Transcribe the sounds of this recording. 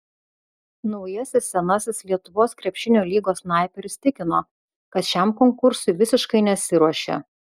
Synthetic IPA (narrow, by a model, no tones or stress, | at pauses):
nɒʊjɛsʲɪsːʲɛnɐsʲɪslʲiɛt̪ʊʋoːskɾʲɛpʲʃʲɪnʲoːlʲiːɡoːsnɑˑɪpʲɛɾʲsʲt̪ʲɪkʲɪnoː | kɐt̪ʃʲɛˑmkɔŋkʊɾsʊɪʋʲɪsʲɪʃkɐɪnʲɛt̪sʲɪɾuɔʃʲḛː